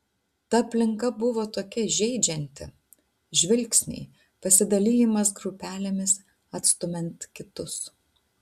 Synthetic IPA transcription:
t̪ɐɐpʲlʲɪŋkɐbʊʋoːt̪oːkʲɛʒʲɛɪd͡ʒʲɛnʲt̪ʲɪ̰ | ʒʲʋʲɪlʲksʲnʲɛ̰ɪ | pɐsʲɪd̪ɐlʲiːjɪmɐsɡɾʊpʲæːlʲemʲɪs | ɐt̪st̪ʊmʲɛnt̪kʲɪt̪ʊs

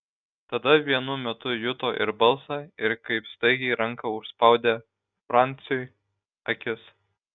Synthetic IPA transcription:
t̪ɐd̪ɐʋʲiɛnʊmʲɛt̪ʊjʊt̪oːʔɪ̰ɾbɐlˠsɑɪɾkɐɪpst̪ɐɪɡʲɛɪɾɐŋkɐʊʃspɐˑʊd̪ʲeː | fɾɑˑnʲt̪sʲɪjoːj | ɐkʲɪs

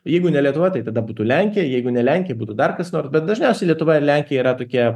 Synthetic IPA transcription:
jɛɪɡʊnʲɛlʲiɛt̪ʊʋɐt̪ɐɪt̪ɐd̪ɐbuːt̪uːlʲæŋʲkʲɪjɛjɛɪɡʊnʲɛlʲæŋʲkʲɪjɛbuːt̪uːd̪ɐrkɐsnoːrsbʲɛt̪̚d̪ɐʒʲnʲɛʊsʲɛɪlʲiɛt̪ʊʋɐɪrlʲæŋʲkʲɪjɛiːɾɐt̪oːkʲiɛ

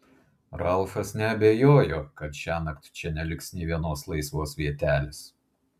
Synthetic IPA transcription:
ɾɐlˠˑfɐsnʲɛɐbʲɛjoːjoːkɐt̪ʃʲæːnɐkt̪ʲt͡ʃʲɛnʲɛlʲɪksnʲɛɪʋʲiɛnoːslˠɐɪsʋoːsʋʲiɛt̪ʲæːlʲɪs

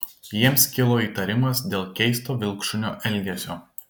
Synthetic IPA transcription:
jiɛmskʲɪlˠoːiːˑt̪ɐɾʲɪmɐsd̪ʲeːlˠkʲɛɪst̪oːʋʲɪlˠkʃʊnʲo̰ːʔɛlʲɡʲɛsʲoː

